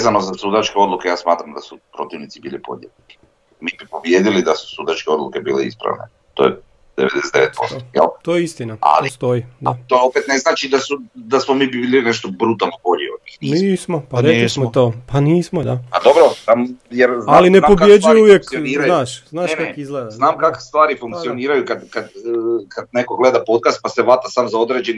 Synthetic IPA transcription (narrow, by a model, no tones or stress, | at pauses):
ʋezanozasud̪at͡ʃkeo̞d̪lukejaːsmaːt̪ɾamd̪asupɾo̞t̪iʋnit̪sibiːlipo̞̰ʎḛ | miːbipobjed̪ilid̪asu̥sud̪at͡ʃkeo̞d̪lˠukebḭːleḭspɾa̰ʋnḛ | t̪o̰je | d̪eʋed̪esed̪eʋet̪̚po̰sto̥jɛ̰lt̪ojeist̪inaa̰list̪ojid̪at̪oopet̪neznaːt͡ʃid̪asud̪asmomiːbiilineʃt̪obɾut̪alˠnobo̞ʎḭod̪ɲixniniːsmopaɾelismot̪oːpaniːsmod̪apad̪obɾosamjeɾzalinepobjed͡ʒujuuʋjekniːanaːʃznaːʃakizɡleːd̪aznaːmkake̥st̪ʋaːɾifuŋk̪ioniːɾajukad̪kad̪kad̪̚nekoɡled̪apo̞t̪̚kast̪̚paseʋɾat̪asaːmzao̞d̪ɾed͡ʒeni